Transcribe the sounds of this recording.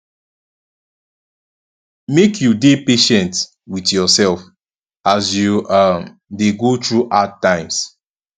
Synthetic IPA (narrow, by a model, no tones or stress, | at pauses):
mekʰjudepeʃɛ̃nt | witjɔsɛlf | asjuʌm | deɡotɹuʔatːãɪ̃ms